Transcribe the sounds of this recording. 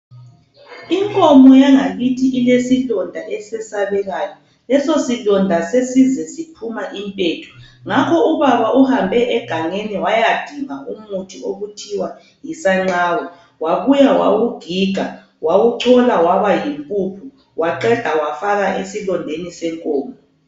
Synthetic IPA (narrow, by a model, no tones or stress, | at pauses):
iŋkʼɔmɔjaŋaɣitʰiʔilesilɔndʱaʔɛsɛsaβɛɣajɔ | lɛsosilɔndʱasesizɛsipʰumaʔimpʼeːtʰu̥ŋakʰɔuβaβaʔuhambʱɛʔɛɡ̥ʱaŋeniwajad̥ʱiŋaumutʰioɣutʰiwa | jisaŋ͡ǁaːwɔ | waβujawa̰ɣuɡ̥ʱiɡ̥ʱa | waɣuǀʰɔlawaβajimpʼupʰu | waǃɛd̥ʱawafaɣaʔesilɔndʱenisɛŋkʼɔːmɔ